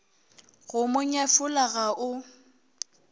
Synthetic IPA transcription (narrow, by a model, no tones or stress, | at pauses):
ɣʊmʊɲafʊlaɣaʔʊ